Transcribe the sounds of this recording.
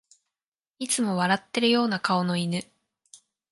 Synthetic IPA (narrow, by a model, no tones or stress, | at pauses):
it͡sɨmo̞βaɾat̪ːe̞ɾɯ̟jo̞ːnakao̞no̞inɯ̟